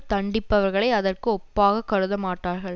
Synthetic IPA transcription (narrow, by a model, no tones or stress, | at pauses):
t̪ɐɳɖɪpːɐʋɐɾɣɐɭɐɪɐðɐrkɯɔpːaːɣɐkːɐɾɯðɐmaːʈːaːɾɣɐɭ